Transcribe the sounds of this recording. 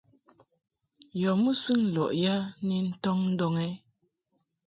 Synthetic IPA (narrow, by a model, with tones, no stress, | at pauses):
jɔ˨mu˦sɨ˦ŋ̩˨lɔ̰˨ʔja˦ni˨n̩˦tɔ˦ŋn̩˦dɔ˨ŋɛ˦